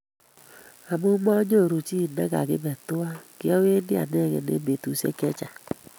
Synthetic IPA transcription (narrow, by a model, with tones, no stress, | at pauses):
a˨mo˦ɡ͡bɔ˦ɲo˦˨ɾo˨t͡ʃi˦˨nɛ˦ɡa̰˨ɡɪ˦bɛ˨tʊ˦a˦ki˦ɔ˦we˦ni˦a̰˨nɛ˦˨ɡɛ̰˨ne˨˦me˨tu˨˦sḛ˦kɛ˦t͡ʃa˨